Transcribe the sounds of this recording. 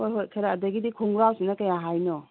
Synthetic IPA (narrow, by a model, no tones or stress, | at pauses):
ojɦotkʰɐɾaːdɐɡidikʰuŋɡɾawsinɐkɐjaɦajnɔ